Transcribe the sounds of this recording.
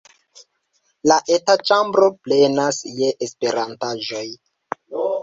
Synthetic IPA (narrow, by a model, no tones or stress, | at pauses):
laʔetat͡ʃambɾo̞plenasje̞ʔespe̞ɾantaʒo̞j